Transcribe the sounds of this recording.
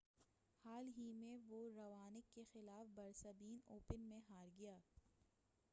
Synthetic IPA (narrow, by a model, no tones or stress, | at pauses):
haːlɦimẽʋoɾɐʋaːnɪkːexɪlaːfbɐɾsɐbiːnoːpənmẽɦaːɾɡɐjaː